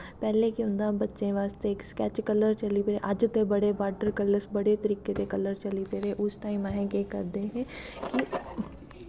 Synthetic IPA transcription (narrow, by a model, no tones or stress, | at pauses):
pɛːlekiʊ̃nd̪abɐtːʃẽʋaːst̪eːkskɛːt͡ʃkɐləɾt͡ʃɐlipɾeʔɐd͡ʒt̪ebɐɽebaːʈəɾkɐləɾsbɐɽet̪ɐɾiːket̪ekɐləɾt͡ʃɐlit̪eɾẽʔʊsʈaːɪmaɦɛ̃kekɐɾd̪eɦɛ̃ | ki